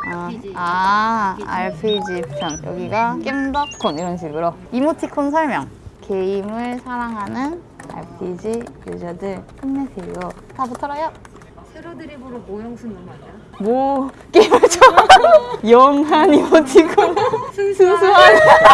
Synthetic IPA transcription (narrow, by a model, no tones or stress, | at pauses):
ʌa | a̰ɭpʰed͡ʑiut͡ɕʰʌmjʌ̰ɡiɡak͈embakk͈ʰːoniɾʌnɕʰiɡɯɾoimotʰikʰonsʰʌɭmjʌŋke̞imɯɭsʰaɾaŋɦanɯn | a̰ɭpʰid͡ʑijud͡ʑadɯɭɕʰimnesʰeiɾo | tʰabutʰʌɾajʌ | eɾdɯɾiboɾoojoŋsʰɯnɯn | bo | k͈emut͡ɕʰo | jʌŋɦanimotʰikʰonsʰusʰuɦan